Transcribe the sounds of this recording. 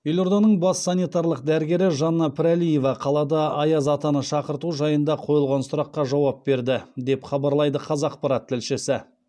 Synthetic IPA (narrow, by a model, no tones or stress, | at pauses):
jelo̞ɾd̪ɑnəɴbɑsːɑnijt̪ɑɾlˠəq̚d̪æɾɡʲe̞ɾɪʒɑnːɑpʰɪɾalije̞vɑqʰɑlˠɑd̪ɑɑjɑzɑt̪ɑnəʃɑqəɾt̪uʒɑjənd̪ɑqʰo̞jəlˠʁɑnsʊɾɑqːɑʒɑwɑp̚be̞ɾd̪ɪd̪e̞pχɑbɑɾlˠɑjd̪əqʰɑzɑqpɑɾɑt̪ʰːɪlʃɪsɪ